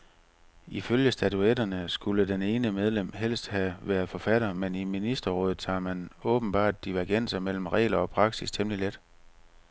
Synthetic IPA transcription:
iføljəsd̥æt͡sʰuedɐnəsɡ̥uləd̥ene̝ːnəmeð̞ˠlem̰ɦel̰sd̥hæʋæɐð̞̩ˠfɒ̽fæɾ̥ɐmeniminisd̥ɐʁɔ̽ːð̩ˠt͡sʰɑ̰̈ːmænɔ̽ːb̥n̩b̥ɑ̰̈ːd̥d̥iʋæɐɡ̥en̰sɐmel̰m̩ʁɛ̰ːlɐɒ̽pʰʁɑ̈ɡ̥sist͡sʰemliled̥

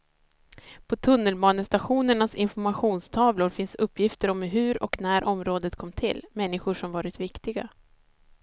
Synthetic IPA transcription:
pʰɔt̪ʰɵnːəlbɑːnəst̪aɧuːnəɳasɪnfɔɾmaɧuːnst̪ʰɑːvlʊɾfɪnsɵpːjɪft̪əɾɔmɦɵ̟ɾɔ̰knæːɾʔɔmɾoːd̪ət̪̚kʰɔmːt̪ʰɪ̰lːmɛnːɪɧʊʂɔmvɑːɾɪt̪vɪkt̪ɪɡa̰

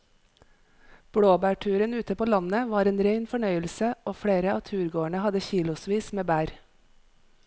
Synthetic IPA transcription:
b̥ɽoːbæːʈʰʉːɾənʉːt̪əpoːlɑnəʋɑːɾeːnɾeɪnfɔɳœʏəlsəoːfɽeːɾəɑːt̪ʰʉːɾɡoːəɳəhɑd̪əçiːlʊsʋiːsmeːbæːɾ

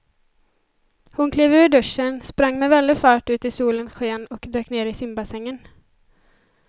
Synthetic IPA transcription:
hʊnkʰliːvʉ̟ːɖɵʂːənspɾaŋːmɛvɛld̪ɪfɑːʈʉ̟ːt̪ɪsuːlənɧeːnɔkd̪øːkneːɾɪsɪmbasɛŋːən

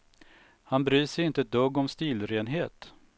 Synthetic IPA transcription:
hanbɾyːʂɛjɪnt̪əd̪ɵɡːɔmst̪iːlɾeːnɦeːt̪

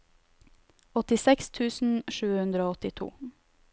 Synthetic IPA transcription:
ɔt̪ɪsɛkst̪ʰʉːsn̩ʃʉːəhʉnd̪ɾəoːɔt̪ɪt̪ʰṵː

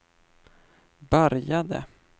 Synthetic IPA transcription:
bœɾjad̪ə̰

